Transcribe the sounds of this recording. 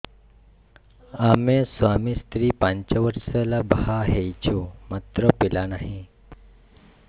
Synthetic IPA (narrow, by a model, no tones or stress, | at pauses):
amesʋamist̪ɾiːpaɲt͡ɕəʋəɾsələbhaɦejt͡ɕumat̪ɾəpilanaɦi